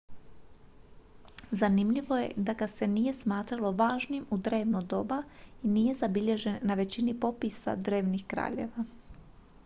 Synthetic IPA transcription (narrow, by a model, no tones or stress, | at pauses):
zanimʎiʋo̞je̞̰d̪aɡase̞nije̞smaːt̪ɾalˠo̞ʋaːʒniemud̪ɾe̞ːʋnod̪o̞bainije̞zabiʎe̞ʒe̞nːaʋe̞t͡ɕinipo̞pisa̰d̪ɾe̞ːʋnixkɾa̰ːʎe̞̰ʋa